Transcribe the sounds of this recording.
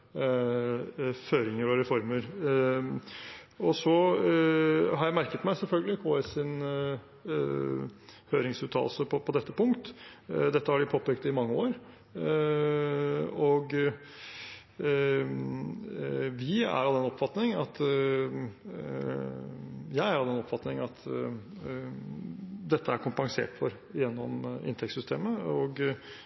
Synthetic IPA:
føːɾɪŋəɾɔɾɛfɔɾməɾ | ɔsɔ | ɦɑɾjæɪmæɾkət̪mæɪsɛlfœlɡəlɪkʰoːɛsɪn | høːɾɪŋsʉːt̪ʰːɑ̰ːlsəpʰɔpʰɔd̪ɛt̪ːəpʊŋkt̪d̪ɛt̪ːəhɑɖɪpʰoːpɛːk̚t̪ɪmɑŋːəoːɾ | ɔɡ | ʋɪæ̰ɾɑɛnɔpfɑt̪nɪŋɑt̪ | jæɪæɾɑɛnɔpfɑt̪nɪŋɑt̪ | d̪ɛt̪ːəæɾkʰʊmpɑŋsḛːʈfɔɾ | ɪjɛnːɔmɪ̰nt̪ʰɛksʏst̪ʰeːməɔɡ

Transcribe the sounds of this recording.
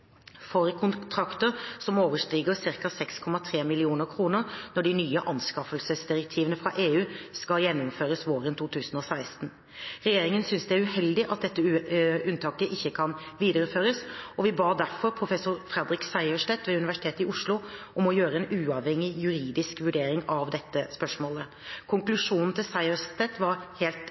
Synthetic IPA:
fɔɾəkʰʊnt̪ʰɾɑkt̪əɾsɔmoːʋəʂʈiːɡəɾsɪɾkɑsɛkskʰɔmɑt̪ʰɾeːmɪlɪuːnəɾkʰɾuːnəɾnɔɖɪnyːəʔɑnskɑfəlsəsd̪ɪɾɛk̚t̪ʰiːʋənəfɾɑʔeːʉːskɑljɛnːɔmføːɾəsʋoːɾənt̪ʰuːt̪ʰʉːsənɔsæɪst̪n | ɾɛjeːɾɪŋənsʏnsd̪ɛæɾʉhɛld̪ɪʔɑt̪̚d̪ɛt̪ːəʉnt̪ʰɑːkəʔɪçːəkʰɑnʋiːd̪əɾəføːɾəsɔʋɪbɑːd̪æɾfɔɾpʰɾʊfɛsʊɾfɾɛd̪ɾɪksæɪœʂʈɛt̪ʋɛʉnɪʋæʂɪ̥t̪ʰeːt̪ɪʔʊʂlʊʔɔmɔjøːɾəɛnʉːɑʋhɛŋɪjʉɾiːd̪ɪskʋʉɖeːɾɪŋɑʋd̪ɛt̪ːəspœʂmoːlə | kʰʊŋklʉʂuːnn̩t̪ɪlsæɪəʂt̪ɛt̪ʋɑɾheːlt̪

